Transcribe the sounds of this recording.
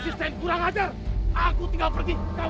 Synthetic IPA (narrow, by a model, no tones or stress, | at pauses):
sisankuɾaŋad͡ʒa | akut̪iŋɡalpərɡika